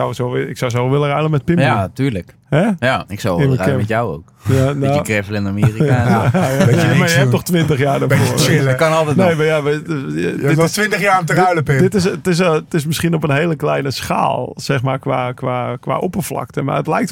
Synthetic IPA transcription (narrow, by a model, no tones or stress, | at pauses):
awsoɪksawsowʋɪləraləmɛt̚pɪmjatyːrlək | hɛjaɪksawɪnəaəmɛjawo̰ːkjanaəkrɛfəlɪnamiːrika | majəhɛptnoxtʋɪntəxjaːrdəfoəkɔnɔlˠtɛnejmajaʋə | ɪstʋɪntəxjaːmtərajləpɪdɪtɪstɪstɪsmɪsxiənopənɦeːləklɛjnəsxa̰ːlˠsɛxmaːrkʋaːkʋaːkʋa̰ʔopərflɑ̰ktəma̰ətlɛjkt